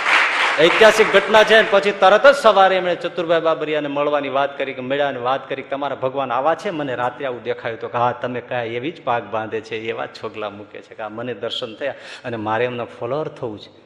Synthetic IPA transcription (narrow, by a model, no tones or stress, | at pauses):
əɪt̪jasik̚ɡʱəʈnat͡ʃʰeənepət͡ʃʰit̪əɾət̪əd͡ʒsəʋaɾeemɳet͡ʃət̪uɾbʱajbabəɾijaneməɭʋaniʋat̪kəɾikemeɭjaneʋat̪kəɾik̚et̪əmaɾabʱəɡʋanaʋat͡ʃʰeməneɾat̪ɾiaʋũd̪ekʰajũt̪okɦat̪əmekəjãeʋid͡ʒpak̚bãnd̪ʱet͡ʃʰeːʋa̰t͡ʃʰoɡla̰mũkḛt͡ʃʰekeaməned̪əɾʃənt̪ʰəjaənemaɾeəmnafʰɔloəɾt̪ʰəũt͡ʃʰe̥